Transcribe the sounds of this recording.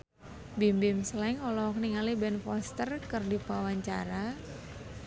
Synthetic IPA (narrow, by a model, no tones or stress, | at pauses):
bimbɪmslɛŋɔlɔɔk̚niŋalibɛnfɔst̪ərkərdipawaɲt͡ʃa̰ɾa